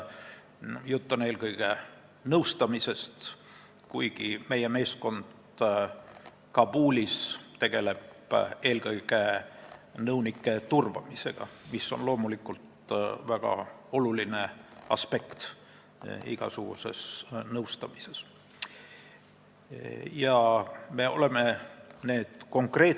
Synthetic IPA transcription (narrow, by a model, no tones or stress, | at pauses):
jut̪ːune̞ːlkɤjɡ̥e | nɤwst̪ɑmise̞st̪ | kujɡ̥ime̞je̞me̞ːsko̞nd̪̥ | kɑbuːlʲist̪e̞ɡ̥e̞le̞be̞ːlkɤjɡ̥e | nɤwnikːˑe̞t̪urvɑ̰mise̞̰ɡ̥ɑ̰misːo̞̰nlo̞ːmulikːult̪væɡ̥ɑ̰o̞luline̞ɑ̰spe̞kt̪ | ḭɡ̥ɑ̰suɡ̥ṵse̞̰snɤwst̪ɑmise̞s | jɑme̞o̞̰le̞me̞ne̞ːd̪̥ko̞ŋkre̞ː